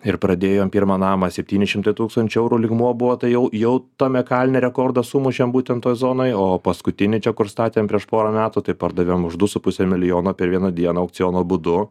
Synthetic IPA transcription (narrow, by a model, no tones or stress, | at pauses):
ɪrpɾɐd̪ʲeːjoːmpʲiɾmɑːnɑːmɐsʲɛpʲt̪ʲiːnʲɪʃʲɪmt̪ɐɪt̪uːkst̪ɐnʲt͡ʃʊɛʊɾuːlʲɪɡmuɔbʊʋoːt̪ɐɪjɛʊjɛʊt̪ɐmʲɛkɑːlʲnʲɛɾʲɛkoːrd̪ɐsumʊʃʲembuːt̪ʲɛnt̪ːoːjzoːnoːjoːpɐskʊt̪ʲɪnʲɪt͡ʃʲɛkʊɾst̪ɑːt̪ʲeːmpʲɾʲiɛʃpoːɾɐmʲæːt̪ʊt̪ɐɪpɐɾd̪ɐʋʲemʊʒd̪ʊsʊpʊsʲɛmʲɪlʲɪjoːnoːpʲɛɾʋʲiɛnɐd̪ʲiɛnoːɐʊk̚t͡s̪ʲsʲɪjoːnoːbʊd̪ʊ